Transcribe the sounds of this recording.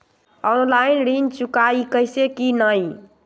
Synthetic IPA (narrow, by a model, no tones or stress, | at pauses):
ɔnlainɾint͡ʃukaikəjsekinəj